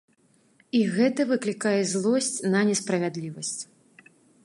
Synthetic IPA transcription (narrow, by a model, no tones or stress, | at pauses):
iɣɛt̪ɐvɨklʲikajɛzlˠɔsʲt͡sʲnɐnʲɛspɾɐvʲad̪lʲivɐsʲt͡sʲ